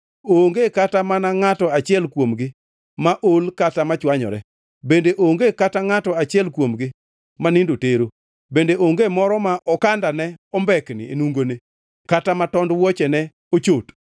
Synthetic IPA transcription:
oŋɡekatamanaŋatɔat͡ʃɪɛlkwomɡɪ | maʔolkatamat͡ʃwaɲɔ̰ɾɛ̰ | bendeʔoŋɡekataŋatɔat͡ʃɪɛlkwomɡɪ | manɪndoteɾo | bendeʔoŋɡemɔɾɔmaʔɔkandanɛɔmbɛknɪ̰ḛnuŋɡone | katamatɔndwɔt͡ʃɛnɛ | ot͡ʃot

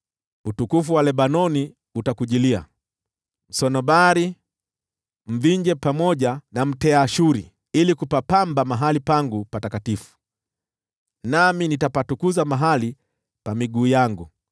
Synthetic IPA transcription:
utukufuwalɛɓanɔni | utakuʄilia | m̩sɔnɔbaɾi | m̩viɲd͡ʒɛpamɔʄanam̩tɛaʃuɾi | ilikupapambamaɦalipaŋɡupatakatifu̥ | naminitapatukuzamaɦali | pamiɡuːjaŋɡu

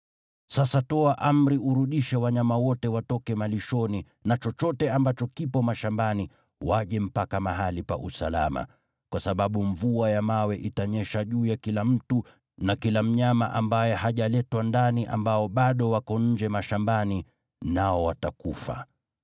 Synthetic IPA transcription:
sasatɔaʔam̩ɾiuɾuɗiʃɛwaɲamawɔtɛwatɔkɛmaliʃɔni | nat͡ʃɔt͡ʃɔtɛambat͡ʃɔkipɔmaʃambani | waʄɛm̩pakamaɦalipa̰ʔusa̰la̰ma̰ | kwasaɓaɓuɱvuajamawɛʔitaɲɛʃaʄuːjakilam̩tu | nakilam̩ɲama̰ʔambajɛhaʄalɛtwandaniʔa̰mbaɔɓaɗɔwakɔɲ̩d͡ʒɛmaʃambani | naɔwatakufa̰

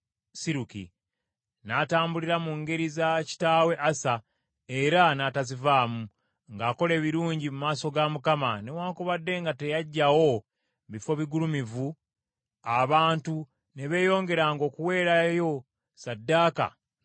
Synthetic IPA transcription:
siɾukḭ | nataːmbuliɾamuŋɡe̞ɾizaci̥taːwe̞ʔasa | e̞ɾanaːtazivaːmu | ŋɡaːko̞le̞ːβiɾuːɲɟimumaːso̞ɡamukamane̞waːŋkoβadːe̞ŋɡate̞jaɟːawo̞ | βifo̞βiɡulumivu | aβaːntu | ne̞βe̞ːjo̞ːŋɡe̞ɾaːŋɡo̞ːkuwe̞ːɾajo̞ | sadːaːka̰

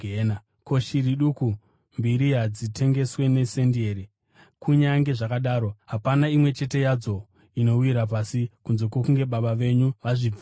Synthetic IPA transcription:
ena | ko̞ʃiriɗuku | mbiɾiɦad͡zitʰe̞ŋɡe̞swe̞ne̞sendieɾi | kuɲaŋɡe̞ʐakaɗaːɾo̞ɦapanaimwe̞t͡ʃe̞te̞jad͡zo̞ | ino̞wiɾap̬asikunzo̞kwokuŋɡe̞ɓaɓaʋe̞ɲuʋaʐi

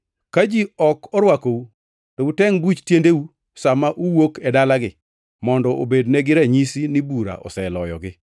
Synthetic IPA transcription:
kad͡ʒiɔkɔɾwakou | toutɛŋbut͡ʃtjendeu | samaʔuwokɛdalaɡɪ | mɔndɔʔobedneɡɪɾaɲisinɪbuɾa̰ʔɔ̰sɛlɔjɔ̰ɡɪ

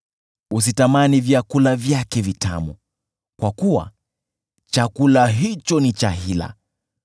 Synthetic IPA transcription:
us̬itamanivjakulavjakɛvita̰mṵ | kwakuwa̰ | t͡ʃakulaɦit͡ʃɔnit͡ʃaɦila̰

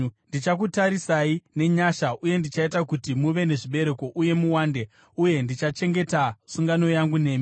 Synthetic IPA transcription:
ndit͡ʃak̬utaɾisaine̞ɲaʃauje̞ndit͡ʃaitakutimuʋe̞ne̞ʐiɓe̞ɾe̞ko̞ʔuje̞muwaːnde | uje̞ndit͡ʃat͡ʃe̞ŋɡe̞tasuŋɡano̞jaŋɡune̞ːmi

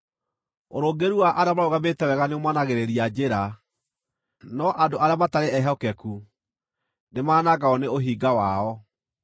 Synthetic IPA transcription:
oɾoɡeɾuwaʔaɾeamaɾoɣaβetɛwɛɣaneomwanaɣeɾeɾiad͡ʒeɾa | nɔʔadoaɾeamataɾeɛɦɔkɛku | nemaːnaɣaɔneoɦiɡawaɔ

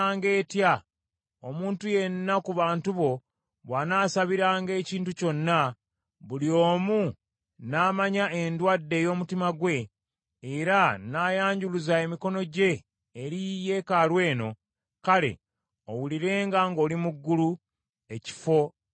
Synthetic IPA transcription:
ŋɡe̞ːtja | omuːntuje̞nːakuβaːntuβo̞ | βwanaːsaβiɾaːŋɡe̞ːciːntuco̞nːa | βuljo̞ːmu | naːmaɲaʔe̞ndwadːe̞ːjo̞ːmutimaɡwe̞ | eɾanaːjaːɲɟuluzaemiko̞no̞ɟe̞ː | ɾije̞ːkalwe̞ːno̞ | kale̞̰ | owuliɾe̞ːŋɡaŋɡo̞ːlimuɡːulu | e̞ci̥fo̞

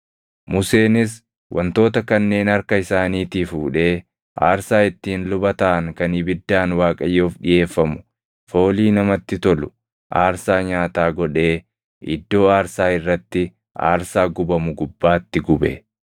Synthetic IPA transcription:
mʊse̞ːnɪs | wʔɐ̰nt̪o̞ːt̪ɐkɐnːe̞ːnɐɾkɐɪsaːniːt̪ɪfuːᶑe̞ː | ʔa̰ːɾsaːɪt̪ːiːnlʊbɐt̪ɐʔɐŋkɐnɪbɪd̪ːaːnwaːkʼɐjːoːfɗɪje̞ːfːɐmʊ̥ | fo̞ːliːnɐmɐt̪ːɪt̪ɔlʊ | ʔaːɾsaːɲaːt̪aːɡɔᶑe̞ː | ʔɪ̰d̪ːo̞ːaːɾsaːɪrːɐt̪ːɪ | ʔa̰ːɾsaːɡʊbɐmʊɡʊbːaːt̪ːɪɡʊbɛ̰

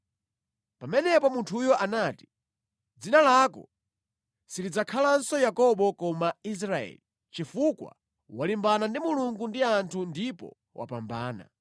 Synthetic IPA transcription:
pamɛnɛpɔmuntʰujɔʔanaːti̥ | d͡zinalakɔ̰ | siɾid͡zakʰalansɔjakɔɓɔkɔmais̬ɾaɛ̰li | t͡ʃifukwa̰ | walimbanandimuluŋɡundiantʰundipɔ̰ | wa̰pambaːna̰

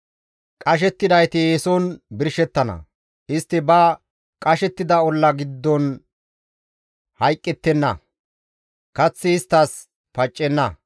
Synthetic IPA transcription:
kʼɐʃ̬ɛt̪ːɪd̪ɐjt̪ɪjeːsɔnbɪɾʃɛt̪ːɐnɐ̰ | ʔɪst̪ːɪbɐ | kʼɐʃɛt̪ːɪd̪ɐɔlːɐɡɪd̪ːɔn | hɐjkʼːɛt̪ːɛnːɐ̰ | kɐt͡sːɪːst̪ːɐs | pɐt͡ʃʼːɛnːɐ

